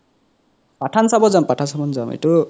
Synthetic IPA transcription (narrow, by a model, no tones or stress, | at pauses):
paʈʰansabɔzampatʰansabɔnzamḛtu